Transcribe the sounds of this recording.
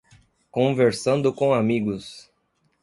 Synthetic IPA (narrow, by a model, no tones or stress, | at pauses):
kõveɾsɐ̃nd̪ʊkõamiɡʊs